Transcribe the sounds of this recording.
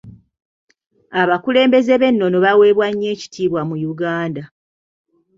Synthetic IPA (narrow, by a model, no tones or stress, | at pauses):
aβakule̞ːmbe̞ze̞βe̞nːo̞no̞βawe̞ːβwaɲːe̞ːci̥tʰiːβwamujuɡaːnda